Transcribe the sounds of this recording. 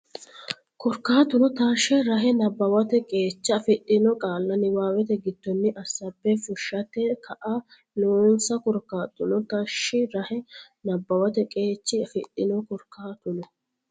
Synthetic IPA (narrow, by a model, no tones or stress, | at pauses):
kɔɾkaːt̪ːʊnɔt̪aʃːɛɾɐɦɛnɐbːɐwɐt̪ɛkʼe̞ːt͡ʃːɐɐfɛɗʼːɪnɔkʼaːlːɐnɪwaːwɛt̪ɛɡɪd̪̥ːɔnːɪʔɐsːɐbːɛfʊʃːɐt̪ɛkɐʔɐ | noːnsɐkɔɾkːaːt̪ʼːʊnɔt̪ɐʃːɪɾɐhɛ | nɐbːɐwɐt̪ɛkʼe̞ːt͡ʃːɪɐfɪᶑɪnɔkɔɾkaːt̪ʊnɔ